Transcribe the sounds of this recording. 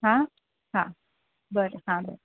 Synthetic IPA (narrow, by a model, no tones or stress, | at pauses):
ɦã | ɦã | bəɾɦãbə̰ɾ